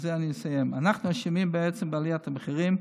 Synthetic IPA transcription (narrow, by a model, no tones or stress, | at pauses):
zeaninsajɛmanaχnuaʃimimbɪɛt͡səmbaliat̪abəχiʁim